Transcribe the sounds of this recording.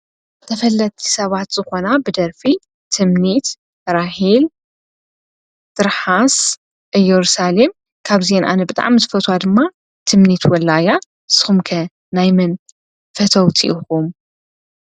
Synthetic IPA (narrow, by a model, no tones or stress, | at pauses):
ɨt̪ʰɐfɐlːɐt̪ʼʰːi̥sɐβat̪z̥ɨxo̞nabɨd̪ɐɾfi | t̪ʰɨmnit̪ | ɾahil | t̪ɨɾħas | ʔɨjɛɾusalem | kʰaβzenʔa̰nɐbɨt̪ʼa̰ʕmizɨfɐt̪ʰwad̪ɨmːa | t̪ʰɨmnit̪wɔlːaja | sɨ̥xumkʰɐ | najmɨn | fɐt̪ʰɐwt͡sʼḭʔuxum